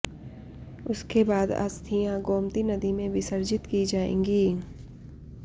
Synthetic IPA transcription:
ʊskebaːd̪ɐ̰st̪ʰijãɡoːmt̪inɐd̪imẽʋɪsəɾd͡ʒɪt̪kid͡ʒaːḛ̃ːŋɡiː

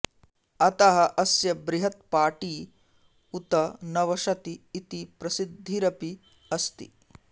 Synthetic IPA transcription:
ɐt̪ɐɦɐʔɐsjɐbɾiɦɐt̪̚paːʈiː | ut̪ɐnɐʋɐʃɐt̪iːt̪ipɾɐsid̪ʱːiɾɐpi | ɐst̪ḭ

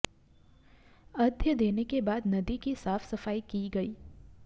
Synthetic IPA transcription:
ɐd̪ʱjəd̪eːnekebaːd̪nɐd̪ikisaːfsɐfaːikiɡɐiː

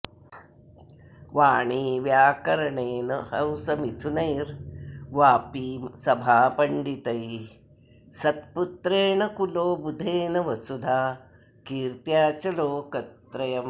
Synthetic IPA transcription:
ʋaːɳiːʋjaːkɐɾɐɳeːnɐhɐwsɐmit̪ʰunɐjɾʋaːpiːsɐbʱaːpɐɳɖit̪ɐj | sɐt̪̚put̪ɾeːɳɐkuloːbud̪ʱeːnɐʋɐsud̪ʱaː | kiːɾt̪jaːt͡ʃɐloːkɐt̪ɾɐjɐm

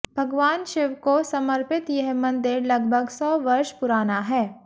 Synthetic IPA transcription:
bʱɐɡʋaːnʃɪʋkosɐməɾpɪt̪jɛɦmɐ̃nd̪ʱɪɾlɐɡ̚bʱəɡsɔːʋɐɾʃpʊɾaːnaɦɛː

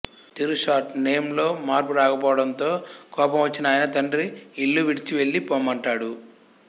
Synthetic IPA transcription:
t̪iɾuʂaːʈneːmlo̞ːmaːɾpuɾaːkɐpɔːʋɐɽɐnt̪o̞ːkɔːpɐmʋɐt͡ʃːinɐaːjinɐt̪ɐɳɖɾiːlːuʋiɽit͡ʃiʋe̞ɭːipoːmɐɳʈaːɽu

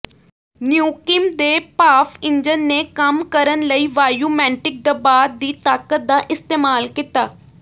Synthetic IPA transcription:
njuːkɪmd̪eːpaːfɪɲd͡ʒənːeːkəmkəɾənləiːʋaːjuːmɛ̃ːɳʈɪk̚d̪eːbaːd̪̚ːiːt̪aːkət̪̚d̪aːʔɪst̪eːmaːlkɪt̪aː

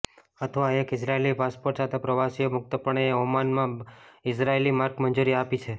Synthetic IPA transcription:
ət̪ʰəʋaekɪsɾaelipaspoɾʈsat̪ʰepɾəʋasiomʊk̚t̪əpəɳ̃eeɦomanmãɪsɾaelimaɾkmənd͡ʒuɾiapit͡ʃʰe

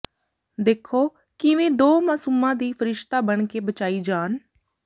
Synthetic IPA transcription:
d̪eːkʰːoː | kɪʋẽːd̪oːmaːsuːmãːd̪iːpʰəɾɪʃt̪aːbəɳkeːbət͡ʃaːiːd͡ʒaːn

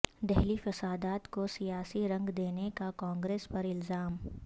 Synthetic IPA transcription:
d̪ɛɦlifɐsaːd̪aːt̪kosijaːsiɾɐ̃ŋɡd̪eːnekakãːŋɡɾeːspɐɾɪlzaːm

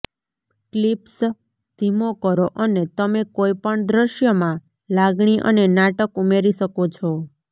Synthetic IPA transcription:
klips | d̪̥ʱimokəɾoʔənet̪əmekoipəɳd̪ɾəʃjəmã | laɡɳ̃iʔə̰nenaʈəkumeɾiʃəkot͡ʃʰɔ

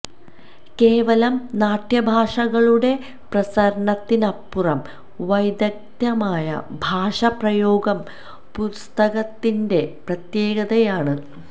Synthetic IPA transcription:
ke̞ːʋɐlɐmnaːʈjɐbʱaːʂɐɣɐɭuɽe̞ | prɐsɐɾɐɳɐt̪ːinɐpːurɐm | ʋɐjd̪ɐk̚t̪jɐmaːjɐ̰bʱaːʂɐprɐjoːɡɐm | pust̪ɐɣɐt̪ːinde̞prɐt̪je̞ːɣɐðɐjaːɳɨ

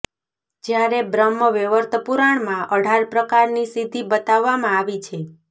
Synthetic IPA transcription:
d͡ʒjaɾebɾəmːəʋeʋəɾt̪əpuɾaɳmãʔəɖʱaɾpɾəkaɾnisid̪ʱibət̪aʋːamãaʋit͡ʃʰe

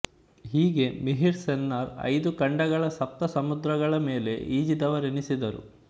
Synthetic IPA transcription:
ɦiːɡe̞miɦiɾsenːɐɾɐ̰jd̪ukɐɳɖɐɣɐɭɐsɐp̚t̪ɐsɐmud̪ɾɐɡɐɭɐme̞ːle̞̰ʔiːd͡ʒid̪ɐʋɐɾenisid̪ɐɾṵ

